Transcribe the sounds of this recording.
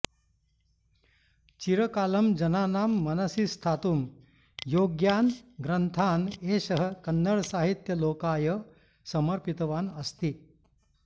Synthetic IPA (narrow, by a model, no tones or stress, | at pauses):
t͡ɕiɾəkaːləmd͡ʑɐnaːnaːmːɐnəsist̪ʰaːt̪um | joːɡjaːnɡɾənt̪ʰaːneɕəɦəkɐnːəɭsaɦit̪jəloːkaːjə | sɐməɾpit̪ʋaːnɐst̪iː